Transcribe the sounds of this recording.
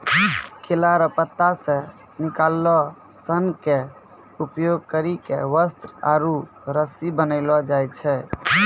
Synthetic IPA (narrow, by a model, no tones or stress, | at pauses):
kʰelaɾəpət̪ːasẽ | nikalːɔ | sənke | upjoɡ̚kəɾikḛʋəst̪ɾa̰ɾu | ɾəsibənəɪlɔd͡ʒajt͡ʃʰɛ